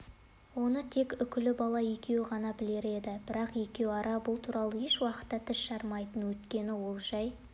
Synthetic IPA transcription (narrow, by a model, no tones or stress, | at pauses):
wo̞nət̪ʰe̞kʲʏkʲɪlɪbɑlˠɑje̞kʲe̞wɪʁɑnɑbɪle̞ɾe̞d̪ɪbɪɾɑqje̞kʲe̞wɑɾɑbʊlˠt̪ʰuɾʔɑlˠəjeʃwɑqə̥t̪ːɑt̪ʰɪʃʃɑɾmɑjt̪ənwɵt̪kʲe̞nɪwo̞lˠʒɑj